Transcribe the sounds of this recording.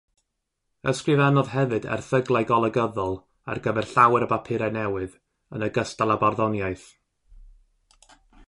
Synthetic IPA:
əskrɨvanɔðɦɛvɨdɛ̰rθəɡlˠajɡɔlˠəɡəðɔlˠ | a̰rɡəvɛrɬawɛɾəbapʰɪɾanɛwɨð | ənəɡəstalˠabarðɔnjajθ

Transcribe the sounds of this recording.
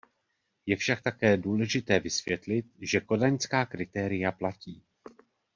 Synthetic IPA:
jɛfʃak̚t̪akɛːduːlɛʒɪt̪ɛːvɪsvjɛt̪lɪt̪̚ʒɛko̞daɲskaːkɾɪt̪ɛːɾɪjaplaciː

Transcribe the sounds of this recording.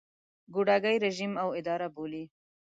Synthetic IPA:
ɡuɖaɡajɾeʒimawɪd̪ɑɾaboli

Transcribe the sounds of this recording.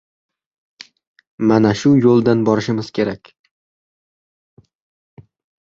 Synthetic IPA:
manaʃʊjolˠd̪anbɒɾɪʃɪmɪz̥kʲʰe̞ɾakʲ

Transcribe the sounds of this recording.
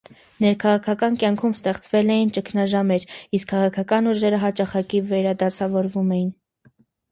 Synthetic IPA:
nɛɾkʰɑʁɑkʰɑkɑnkjɑŋkʰumst̪ɛχt͡svɛlɛjint͡ʃəkʰnɑʒɑmɛɾiskʰːɑʁɑkʰɑkɑnuʒɛɾəɦɑt͡ʃɑχɑkivɛɾɑd̪ɑsɑvɔɾvumɛjin

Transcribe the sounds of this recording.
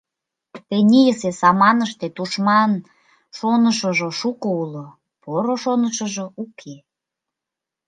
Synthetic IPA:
t̪enʲijəsesɑmɑnəʃt̪et̪uʃmɑn | ʃonəʃəʒoʃukoulo | poɾoʃonəʃəʒoukʰe

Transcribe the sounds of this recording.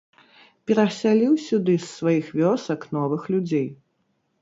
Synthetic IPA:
pʲɛɾɐsʲalʲiwsʲud̪ɨsːvajixvʲɔsɐknɔvɨxlʲud͡zʲej

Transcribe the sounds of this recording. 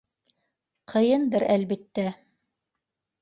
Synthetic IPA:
qʰɤ̆jɤnd̪ɤɾælbit̪ːæ

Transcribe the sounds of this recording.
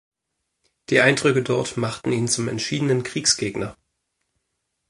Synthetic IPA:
d̥iːʔaɪndʁʏkədɔɐtmaχtn̩iːnt͡sʊmɛ̰ntʃiːdənənkʁ̥iːksɡ̥eːɡnɐ

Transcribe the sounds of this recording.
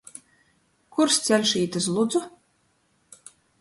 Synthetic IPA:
kuɾst̪sʲælʲʃiːt̪ɨs̬lˠud̪zu

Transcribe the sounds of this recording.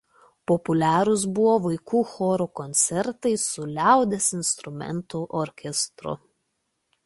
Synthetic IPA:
pɔpʊlʲæːɾʊs̬bʊʋoːʋɐɪkuːxɔːɾokɔnʲt̪sʲɛɾt̪ɐɪsʊlʲæˑʊd̪ʲɛsɪnst̪ɾʊmʲɛ̰nt̪uʔɔɾʲkʲɛst̪ɾʊ̰

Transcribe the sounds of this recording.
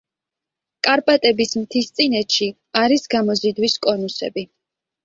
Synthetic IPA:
kʼaɾpʼat̪ʼɛbismt̪ʰist̪sʼinɛt̪ʃi | aɾisɡamɔzid̪wiskʼɔnusɛ̰bi

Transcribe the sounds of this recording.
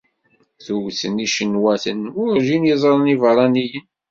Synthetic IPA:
θuwθəniʃənwæθənʊɾʒinjəzˤɾˤənivəɾˤɑnijən

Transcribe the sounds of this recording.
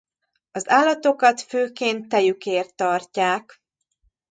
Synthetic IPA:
ɒzaːlːɒt̪o̞kɒt̪føːkeːnt̪ːɛjykeːrt̪ːɒrcaːk

